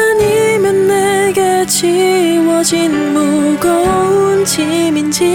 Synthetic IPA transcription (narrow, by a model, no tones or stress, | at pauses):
ɲimanːeɡet͡ɕʰiwʌd͡ʑin | moɡʌunt͡ɕimind͡ʑi